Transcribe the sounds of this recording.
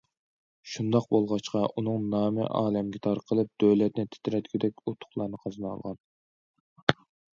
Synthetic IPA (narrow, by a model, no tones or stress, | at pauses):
ʃund̪ɑq̚bolˠʁɑt͡ʃqʰɑʔunɨŋnɑːmɪ̰ʔɑ̰ːlɛmɡʲɛt̪ʰɑɾqʰəlˠɨp̚d̪̥øwlɛt̪̚nɪt̪ʰe̥t̪ʰɪɾɛt̪kʲid̪ɛkʲut̪ʰːʊ̥χlˠɑɾnɨqʰɑznɑ̰lˠʁɑn